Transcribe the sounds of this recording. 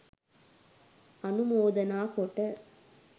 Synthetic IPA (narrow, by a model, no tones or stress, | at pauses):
ɐnɯmoːðɐnaːkoːʈːɐ